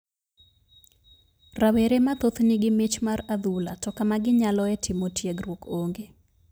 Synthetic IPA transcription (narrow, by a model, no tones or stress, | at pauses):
raweɾemat̪ot̪nɪɡɪmɪt͡ʃmarad̪ulatɔkamaɡɪɲalɔɛtʰɪmotjeɡrwokoŋɡe